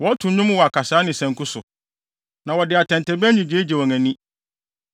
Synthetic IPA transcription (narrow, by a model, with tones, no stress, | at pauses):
wɔ˨˦tʰʊ̃˨ɲʊ̃˦m˦wɔ˨a˨kʰa˨saː˨˦nɪ̃˨sɛ̃˨ŋkʰʊ˦sʊ˨ | nã˨wɔ˨dɪ˨a˨tʰɛ̃˨n˨tʰɛ˨bæ˦ɲĩ˨d͡ʑeː˦d͡ʑɛ˨wɔ˨ŋæ̃˨nĩ˦